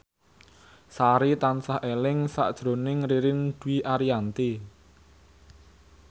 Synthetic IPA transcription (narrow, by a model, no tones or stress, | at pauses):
saɾit̪ansahʔelɪŋsa̰ʔd̥ʒ̥ɾo̤nɪŋɾiɾɪnd̥wiʔaɾiant̪i